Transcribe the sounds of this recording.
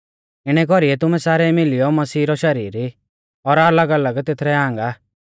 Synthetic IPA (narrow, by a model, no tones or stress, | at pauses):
ɪɽ̃ɛkɔɾiɛt̪ʊmɛsaːɾɛmɪlɪjɔmɐsiːɾɔʃɐɾiːɾi | ɔɾɐləɡɐləɡt̪et̪ʰɾɛãːŋɡa